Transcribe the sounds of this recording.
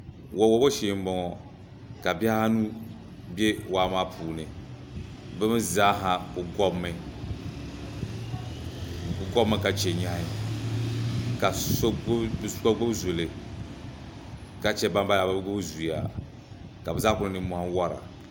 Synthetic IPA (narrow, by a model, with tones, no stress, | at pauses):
wɔ˨wɔ˨˦bɔ˦ʃe˨m̩˦bɔ˨˦ŋɔ˨ | ka˨bɛ˦ha˦ha˦nu˦ | be˦waː˨˦maː˦pʰuː˨nɨ˨ | bɛ˦mɨ˦za˦ɦa˨bɨ˨ɡɔ˦bmːɨ˨ | ɨ˨ɡɔ˦bmːɨ˦ka˨t͡ʃɛ˨ɲa˦hi˦ | ka˨skɔ˦ɡ͡bo˦bzo˨le˨ | ka˨t͡ʃɛ˦ba˦mba˦ja˨ba˦bɨ˦ɡo˦bzu˨ja̰˨ | ka˨bɨ˨za˦kʊ˦nɨ˦nɨ˨˦mɔ˨ha˦wɔ˦ɾa̰˨